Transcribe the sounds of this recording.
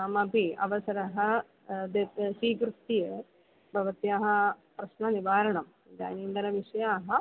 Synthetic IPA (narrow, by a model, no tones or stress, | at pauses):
aːmɐpiɐ̰ʋɐsɐɾɐɦɐ | d̪eʃiːkɾut̪ːijɐ | bʱɐʋɐt̪jaːɦɐpɾɐʃnɐniʋaːɾɐɳɐm | d̪a̰ːniːnd̪ɐnɐʋiʂɐjaːɦɐ